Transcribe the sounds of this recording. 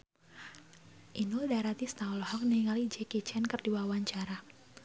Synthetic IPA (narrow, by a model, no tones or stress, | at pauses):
ʔinudaɾat̪ist̪aɔlhɔk̚niŋalid͡ʒekit͡ʃɛnkərdiwawaɲt͡ʃaɾa